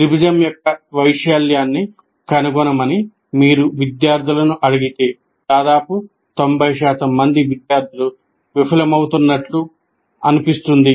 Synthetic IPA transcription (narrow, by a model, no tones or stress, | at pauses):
ɾibid͡ʒ̪ɐmjokːɐʋɐjʂjaːljaːnːi | kɐnɐɡɔnɐmɐni | miːɾuʋid̪jaːɾd̪ʱilɐnuʔɐɽiɡit̪eː | d̪̥aːd̪aːpu | t̪o̞mbʱɐjʃaːt̪ɐmːɐnd̪iʋid̪jaːɾd̪ʱilu | ʋipʰɐlɐmɐwut̪unːɐʈlu | ɐnipist̪und̪i